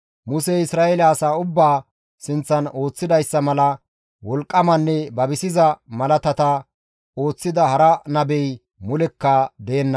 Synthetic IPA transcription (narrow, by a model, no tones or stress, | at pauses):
mʊseɪsɾaːelɐːsaːʊbːaː | sɪnt͡sːɐno̞ːt͡sːɪd̪ɐjsːɐmɐlɐ | wɔlkʼːɐmɐnːɛbɐbɪsɪzɐmɐlɐt̪ɐt̪ɐ | o̞ːt͡sːɪd̪ɐhɐɾɐnɐbɛj | mʊlɛkːɐd̪eːnːɐ